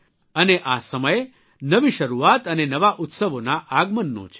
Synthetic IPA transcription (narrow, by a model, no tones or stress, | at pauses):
əneʔasəməje | nəʋiʃəɾuat̪ənenəʋaʔut̪səʋonaʔaɡmənːõ̰t͡ʃʰ